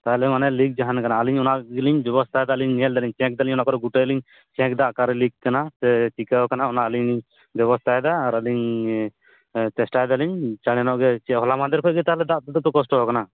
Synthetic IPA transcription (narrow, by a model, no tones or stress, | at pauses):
t̪aɦlɛmanɛlik̚d͡ʒaɦankanaːliɲɔnaʔɡɛliɲbjɔbɔst̪ʰajd̪aliɲniɛld̪aliɲt͡ʃɛ̃k̚d̪aliɲɔnaʔkɔɾɔɡuʈəliɲ | t͡ʃɛ̃k̚d̪aʔkaɾlikkːanasɛt͡ʃikakanaɔnaʔəliɲliɲ | bɔβɔst̪ʰajd̪aːɾaliɲ | tɛsʈajd̪aliɲt͡ʃanɛnɔʔɡɛt͡ʃɛɦɔlamad̪ɛɾkʰɔɡɛt̪aɦlɛd̪aʔt̪ɛd̪ɔp̪ɔkɔsʈɔɦɔkana